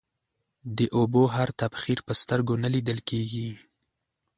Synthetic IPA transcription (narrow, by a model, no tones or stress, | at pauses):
d̪əʔoboɦaɾt̪abxiɾpəst̪əɾɡonalid̪əlkeɡi